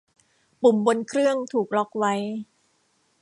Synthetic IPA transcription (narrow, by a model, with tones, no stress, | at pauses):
pu˨˩mbo˧nkʰɾɯ˥˩əŋt̪ʰuː˨˩k̚lɔ˦˥k̚wa˦˥j